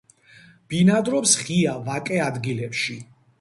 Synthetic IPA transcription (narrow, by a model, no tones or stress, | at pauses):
b̥inad̪ɾɔpsχiavakʼɛad̪ɡilɛpʃi